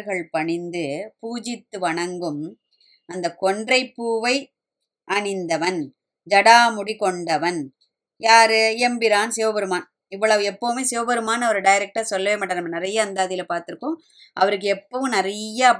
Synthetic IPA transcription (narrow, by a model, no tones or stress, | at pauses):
ɣɐɭpɐɳɪnd̪ɯpuːd͡ʒɪt̪ːɯʋɐɳɐŋɡɯm | ɐnd̪ɐkɔɳdrɐɪpːuːʋɐɪ | ʔɐɳɪnd̪ɐʋɐn | d͡ʒɐɽaːmʊɽikɔɳɖɐʋɐn | jaːɾɯɛmbɪɾaːnseːʋɐbɐɾɯmaːn | ɪʋːɐɭɐʋɯɛpːomeːseːʋɐbɐɾɯmaːnɐʋɐɾɯɖɐjɪɾɛk̚ʈaːsɔlːɐʋeːmaːʈːɐnɐmːɐnɪɾɐjɐːnd̪aːðɪjɪlɐpaːɾt̪ɯɾɯkːõːm | ʔɐʋɐɾɯk̬ːɯɛpːɐːʋɯ̃mnɪɾɐjɐ